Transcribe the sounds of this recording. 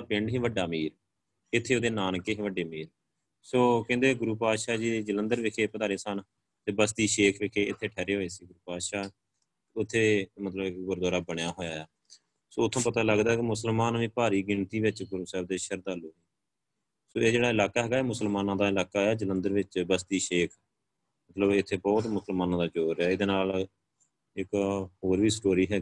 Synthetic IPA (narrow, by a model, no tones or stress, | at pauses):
pɪɳɖɦĩːʋəɖːaːmiːɾ | ɪt̪ʰːeːoːd̪eːnaːnkːeːɦẽʋəɖːeːmiːɾ | soːkɛ̃ːnd̪eːɡʊɾuːpaːʃaːd͡ʒiːd͡ʒələ̃nd̪əɾʋɪkʰeːpəd̪aːɾeːsən | t̪eːbəst̪iːʃeːkʰʋɪkʰeːɪt̪ʰːeːʈʰɛːɾeːɦoːeːsiːɡʊɾuːpaːʃaː | ʊt̪ʰːeːmət̪ləbɪkɡʊɾd̪aːɾaːbəɳjaːɦoːjaːjaː | soːʊt̪ʰːõːpət̪aːləɡd̪aːɦɛkɪmʊsəlmaːnʋĩːpaːɾiːɡɪɳt̪iːʋɪt͡ʃkʊɾmsɛːbd̪eːʃəɾd̪aːloːiː | soːeːd͡ʒeːɽaːɪlaːkaːɦɛːɡaːeːmʊsəlmaːnãːd̪aːɪlaːkaːaːd͡ʒələnd̪əɾʋɪt͡ʃbəst̪iːʃeːkʰ | mət̪ləbɪt̪ʰːeːbɔːt̪mʊsəlmaːnãːd̪aːd͡ʒoːɾjaːɪd̪eːnaːl | ɪkɦoːɾʋiːsʈoːɾiːɦɛːɡi